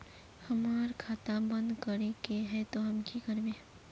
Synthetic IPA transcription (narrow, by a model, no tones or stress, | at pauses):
hɐmaːɾkʰaːt̪abə̃nd̪kəɾekeɦɛt̪oɦɐmkikəɾbẽː